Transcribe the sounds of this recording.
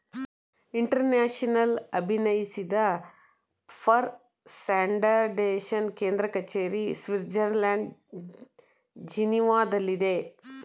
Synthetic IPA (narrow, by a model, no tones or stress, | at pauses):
iɳʈɐɾnaːʃɐnɐlɐbʱinɐjisid̪ɐ | pʰɐɾ | saːɳɖɐɾɖeːʃɐnkeːnd̪ɾɐkɐt͡ʃeːɾisʋiɾd͡ʒɐɾlaːɳɖ | d͡ʒiniʋaːd̪ɐlːid̪e